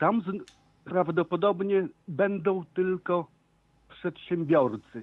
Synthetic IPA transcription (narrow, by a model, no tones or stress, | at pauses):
t̪amz | pɾavd̪ɔpɔd̪ɔbɲɛbɛnd̪ɔ̃w̃t̪ɘlkɔ | pʂɛt̪ɕɛmbʲjɔɾt̪sɘ